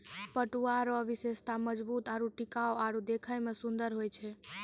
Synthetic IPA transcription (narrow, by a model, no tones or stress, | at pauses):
pəʈuaɾɔʋisest̪aməd͡ʒbut̪aɾuʈikaoaɾud̪ekʰəjmesund̪əɾɦojt͡ʃʰɛ